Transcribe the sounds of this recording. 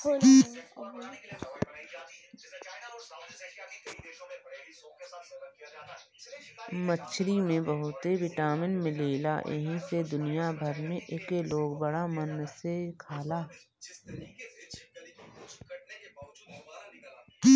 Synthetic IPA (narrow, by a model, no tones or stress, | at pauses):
mət͡ʃʰɾimẽbəɦʊt̪eʋɪʈaːmɪnmẽleːla̰ːʔḛɦĩsed̪ʊnijabʱəɾmẽʔekeloːɡbəɽamənsekʰaːlaː